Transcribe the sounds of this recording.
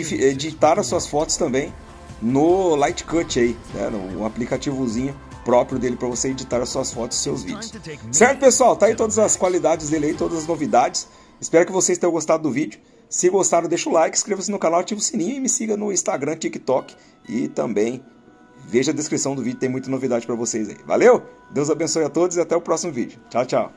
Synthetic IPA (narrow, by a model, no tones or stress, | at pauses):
fied͡ʒit̪aɾɐsuɐsfɔt̪ʊ̥st̪ɐ̃mbẽj̃ | nʊlajt͡ʃɪ̥kɐt͡ʃainɛ̰nʊ̰̃aplikat͡ʃivʊzĩɲʊ | pɾɔpɾjʊd̪elɪpɾɐvoseed͡ʒit̪aɾɐsuɐsfɔt̪ʊsz̥sewzvḭd͡ʒʊʊssɛɾt̪ʊ̥pesuawt̪ait̪od̪ɐzɐskwalid̪ad͡ʒɪzd̪elɪait̪od̪ɐzɐznovid̪ad͡ʒɪs | ɪspɛɾɐkɪvosejst̪ẽj̃ɐ̃ɡost̪ad̪ʊd̪ʊvid͡ʒʊ | sɪɡost̪aɾʊd̪eʃʊlajkɪ̥skɾevɐsɪnʊkanawt͡ʃivʊsinĩɲʊɪmɪsiɡɐnʊĩst̪aɡɾɐ̃t͡ʃikɪ̥t̪ɔk | ɪ̰t̪ɐ̃mbẽj̃ | veʒɐd̪eskɾisɐ̃w̃d̪ʊvid͡ʒʊt̪ẽj̃mũj̃t̪ɐnovid̪ad͡ʒɪpɾɐvosejza̰ḭva̰lewd̪ewzabẽsojɐt̪od̪ʊzɪat̪ɛʊpɾɔsimʊvḭd͡ʒʊt͡ʃawt͡ʃaw